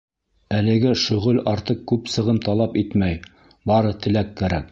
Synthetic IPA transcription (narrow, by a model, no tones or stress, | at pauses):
ælɘ̆ɡɘʃɵ̆ʁɵlɑɾt̪ɤqkːʉpsɤ̆ʁɤmt̪ɑlˠɑpit̪mæj | bɑɾɤt̪ɘ̆lækːæɾæk̚